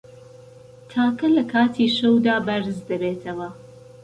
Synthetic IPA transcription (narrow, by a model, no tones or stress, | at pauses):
t̪ʰaːkɐlɐkʰaːt̪ʰiːʃɐwd̪aːbɐɾzd̪ɐbeːt̪ʰɐwɐ